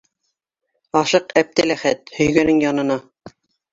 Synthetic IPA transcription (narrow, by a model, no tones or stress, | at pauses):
ɑʃɤqæp̚t̪ælæχæt̪hɵ̆jɡænɘŋjɑnɤ̆nɑ